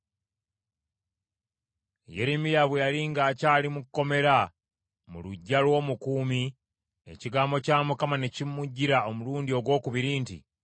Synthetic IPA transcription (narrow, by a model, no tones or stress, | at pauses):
jeɾimijaβwejaliŋɡaːcaːlimukːo̞me̞ɾa | mṵluɟːalwo̞ːmukuːmi | e̞̰ciɡaːmbo̞caːmukamane̞cimːuɟːiɾao̞muluːndio̞ɡwo̞ːkuβiɾiːntḭ